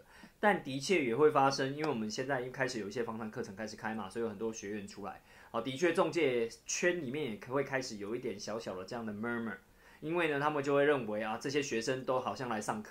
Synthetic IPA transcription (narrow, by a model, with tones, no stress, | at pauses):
t̪a˥˨˩nt̪i˨˥t͡ɕʰɥɛ˥˩jɛ˨˩xwe˥˩ɪfa˦ʂə˦ŋi˥nwe˥˩wɔ˨˩mə˨˦nɕjɛ˥˧nt͡sa˥ɪi˥˩kʰa˥ɪʂɻ̩˨˩jo˨˩ʊi˥˩ɕjɛ˦˥fɑ˥ŋʂɑ˥˧ŋkʰɤ˥˨˩ʈ͡ʂʰɤ˧˥ŋkʰa˥ɪʂɻkʰa˦ɪma˨swi˧˥xə˨˩nt̪wɔ˦˥ɕɥɛ˨˦˥ɥɛ˧˥nʈ͡ʂʰu˥la̰˧˦ɪ | ɔ˨˩t̪i˧˥t͡ɕʰɥɛ˥˧t͡sɔ˥˧ŋt͡ɕjɛ˥˧t͡ɕʰɥɛ˦nli˨˩mjɛ˥˩njɛ˨˩we˥˩ɪkʰa˥ɪʂɻ̩˨˩˦jo˨˩ʊi˥t̪jɛ˨˩nɕjɑ˧ʊɕjɑ˨˩ʊd̪ə˦ʈ͡ʂɤ˥˧jɑ˥˩ŋd̪ə˩mə˦˥mə̰˨˩ | i˦˥nwe˥˩ɪnə˩t̪ʰa˥mə˨nt͡ɕjo˥˧ʊwe˥˧ɪɻə˥˩nwe˧˦ɪa˧ʈ͡ʂɤ˥˧˩ɕjɛ˦˥ɕɥɛ˧˥ʂə˦nt̪o˥ʊxɑ˨˩ʊɕjɑ˥˩ŋla˧˦ɪsɑ˥˧ŋkʰ